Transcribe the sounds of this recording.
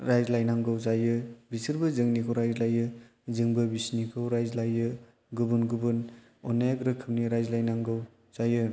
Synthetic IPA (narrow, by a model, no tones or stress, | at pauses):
ɾajzlajnaŋɡɯwzajɯbisɯɾbɯzɯŋnikʰɯwɾajzlajɯ | zɯŋbɯbisnikʰɯwɾajzlajɯ | ɡubunɡubɯn | ɔnaaɡɾɯkʰɯmniɾajzlajnaŋɡɯw | z̥ajɯ